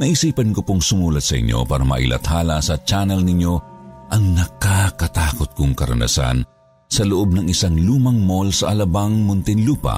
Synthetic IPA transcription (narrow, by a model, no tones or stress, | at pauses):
nɐʔisiːpɐnkopoŋsʊmuːlɐt̪sɐʔɪ̰ɲʔo̰paːɾɐmɐ̰ʔḭlʔɐ̰t̪haːlɐsɐt͡ʃaːnɛlnɪɲjo̞ʔɐŋnɐkakɐt̪aːkot̪̚kʊŋkɐɾɐ̰nɐ̰sa̰n | sɐlʊʔob̚nɐŋʔɪsaŋluːmɐŋmolsɐʔɐlɐbaŋmʊnt̪ɪnluːpɐ̰